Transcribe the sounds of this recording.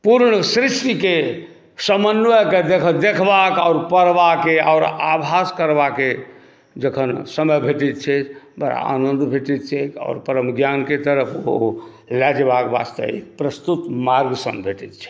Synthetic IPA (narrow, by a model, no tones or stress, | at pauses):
puɾɳəsɾiʂʈike | səmənːʋəked̪ekʰəd̪ekʰbakaʊɾpəɾbakea̰ʊɾabʱaskəɾbake | d͡ʒəkʰənsəməjbʱeʈit̪̚t͡ʃʰɛbəɾa̰a̰nənd̪ʱbʱeʈit̪t͡ʃʰɛta̰ːɾpəɾəmɡjanket̪əɾəpʰo̰ | lɛd͡ʒbakbast̪ə̰ɦipɾəst̪ut̪maɾɡsə̰̃mbʱeʈit̪̚t͡ʃʰɛ̥